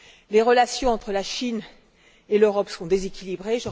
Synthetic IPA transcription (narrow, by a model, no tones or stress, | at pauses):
leʁəlasjɔ̃ɑ̃t̪χəlaʃin | eløʁɔpsəɔ̃d̪ezekʲilibʁeʒə